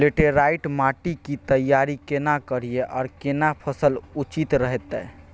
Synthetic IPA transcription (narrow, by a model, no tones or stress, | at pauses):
leʈeɾajʈmaʈikit̪əjaɾikenakəɾ̤ijeʔɔ̰ːɾkenapʰəsəlut͡ʃit̪ɾəɦet̪ːɛ̰